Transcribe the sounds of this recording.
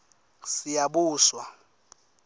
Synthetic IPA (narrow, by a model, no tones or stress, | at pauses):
sijabuːswa